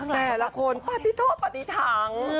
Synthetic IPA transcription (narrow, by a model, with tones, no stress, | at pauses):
t̪ɛː˨˩la˧˦kʰo˧npa˧˩t̪i˧˥t̪ʰoː˥˩t̪̚pa˧˩i˧˥t̪ʰaː˧˩˦ŋ